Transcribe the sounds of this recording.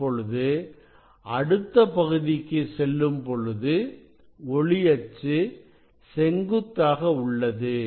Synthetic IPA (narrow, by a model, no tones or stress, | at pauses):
pɔɻɯðɯ | ɐɽɯt̪ːɐpɐɣɯðɪkːɯsɛlːɯmpɔɻɯðɯ | ɔɭɪjɐt͡ʃːɯ | sɛŋɡɯt̪ːaːɣɐʊɭːɐðɯ